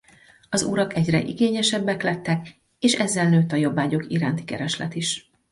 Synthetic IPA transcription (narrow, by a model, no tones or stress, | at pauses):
ɒzuɾɒkɛɟrɛ̰ʔḭɡeːɲɛʃɛbːɛklɛt̪ːɛk | eːʃɛzːɛlnøːt̪ːɒjo̞bːaːɟo̞kiɾaːnt̪i̥kɛ̰ɾɛʃlɛ̰t̪iʃ